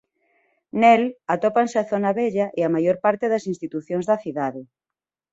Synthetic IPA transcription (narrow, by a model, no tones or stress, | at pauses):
nelat̪opanseaθonaβɛʎɐʔeamajoɾpaɾt̪eðɐsinst̪it̪uθjonzðɐθiðaðe